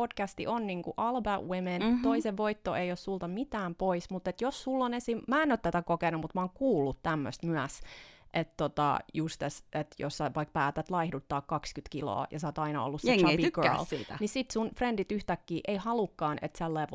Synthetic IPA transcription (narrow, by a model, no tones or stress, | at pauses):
od̥kæst̪ḭʔonniŋkuʔɑlbæwement̪oiseʋʋoit̪ːoejossult̪ɑmit̪æːmpoismut̪et̪jossulːonesimæːenːøt̪t̪ːæt̪ækokenumut̪mɑoːŋkuːlːut̪t̪æmːø̰st̪myæsʔet̪t̪ot̪ɑ̰just̪eset̪jo̰sːɑʋɑik̚pæːt̪æt̪lɑihdut̪ːɑːkkɑkskyt̪kilo̰ːjɑ̰sɑˑːt̪ɑinɑo̰lːuset͡ʃɑtiɡ̥ølsiːt̪ænisit̪sunfrendit̪yht̪ækːiːʔeihɑlukːɑːnḛt̪selːɑʋ